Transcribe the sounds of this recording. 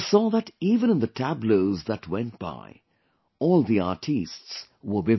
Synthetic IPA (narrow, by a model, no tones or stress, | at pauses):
sɔðətivə̃ñɨ̃nðɨtʰæbloʊzðətwɛ̃nt̚b̥a̰ɪ | ɔːlˠðiɑɹtʰists | wə˞bɪ